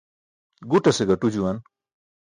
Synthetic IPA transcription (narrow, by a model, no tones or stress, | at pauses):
ɡuʈɐseɡɐʈud͡ʑuwɐn